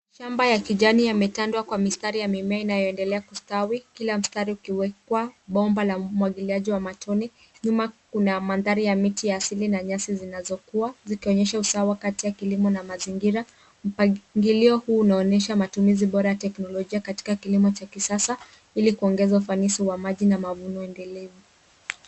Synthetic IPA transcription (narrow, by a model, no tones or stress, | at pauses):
ʃambajakiʄanijamɛtandwakwamistaɾijamimɛainajɔɛndɛlɛakustawikilam̩staɾiukiwɛkwaɓɔmbalam̩waɠiliaʄiwamatʰɔni | ɲumakunamanðaɾijamitijaːsilinaɲasizinazɔkuazikiɔɲɛʃausawakatijakilimɔnamaziŋɡiɾa | m̩pŋɡiliɔhuːnaɔnɛʃamatumiziɓɔɾajatɛknɔlɔʄiakati̥kakilimɔt͡ʃakisasa | ilikuɔŋɡɛzaufanisiwamaʄinamavunɔɛndɛlɛvu